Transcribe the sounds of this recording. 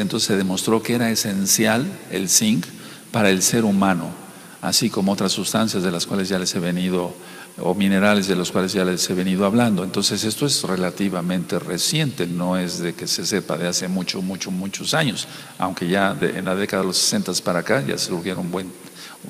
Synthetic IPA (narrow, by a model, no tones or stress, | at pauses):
ent̪onseseðe̞mo̞st̪ɾo̞kee̞ɾaese̞nsjale̞̰lsiŋk | paɾae̞lse̞ɾumãno̞̰ | a̰siko̞moo̞t̪ɾasːust̪ansjazðe̞laskwale̞zʝale̞se̞βe̞nið̞o̞ | o̰mĩne̞ɾale̞zðe̞loskwale̞zʝalese̞βe̞niðoaβland̪oent̪o̞nse̞se̞st̪oezre̞lat̪iβamẽ̞nt̪e̞resje̞nt̪e̞no̞e̞zðe̞ke̞se̞se̞pa̰ðe̞ase̞mut͡ʃomut͡ʃomut͡ʃosaɲo̞s | a̰wŋke̞ʝaðeḛnlaðe̞kaðaðelose̥se̞nt̪aspaɾakaʝa̰seuɾɣjeɾoumbwe̞n